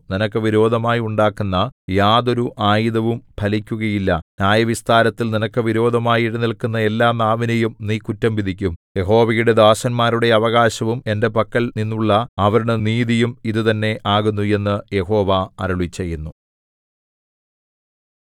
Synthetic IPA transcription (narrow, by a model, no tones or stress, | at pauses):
ninɐkːɨʋiɾo̞ːd̪ʱɐmaːjiuɳɖaːkːunːɐjaːðo̞ɾuʔʔaːjiðɐʋumb̥ʰʱɐlikʲːuɣɐjilːɐnjaːjɐʋist̪aːɾɐt̪ːilninɐkːɨʋiɾo̞ːd̪ʱɐmaːjiɽɨnilkunːɐe̞lːaːnaːʋinɐjumniːkutːɐmbiðikʲːumje̞ho̞ːʋɐjuɽe̞d̪aːɕɐnmaːɾuɽe̞ɐʋɐɣaːɕɐʋume̞nde̞pɐkːɐɭninːuɭːɐɐʋɐɾuɽeniːðijumiðɨt̪ɐnːe̞ʔaːɣunːue̞nːɨje̞ho̞ːʋaɐ̰ɾuɭit͡ɕːejːunːu